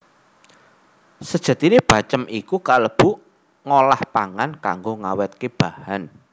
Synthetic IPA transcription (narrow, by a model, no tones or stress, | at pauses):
səd̥ʒ̥a̤t̪ineb̥ä̤t͡ʃəmikukaləb̥ṳ | ŋolahpaŋanka̰ŋɡoŋawɛt̪̚keb̥ä̤han